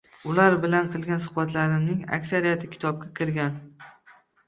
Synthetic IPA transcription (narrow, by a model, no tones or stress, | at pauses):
ʊlaɾbɪlanqʰɨlˠɡʲansʊhbat̪ʰlaɾɪmnɪŋa̰kʲsaɾijat̪ʰɪkʲʰɪ̥t̪ʰɒb̚ɡʲakʲʰɪɾɡʲan